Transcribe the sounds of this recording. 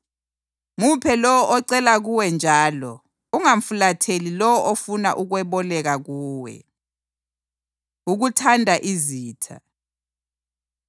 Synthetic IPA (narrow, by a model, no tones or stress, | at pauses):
mupʰɛlɔwɔʔɔǀɛlaɣuwɛnd͡ʒʱaːlɔ | uŋaɱ̩fulatʰelilɔwɔʔofuna̰ʔuɣwɛβɔlɛɣaɣuːwɛ̰ | uɣutʰandʱaʔiziːtʰa̰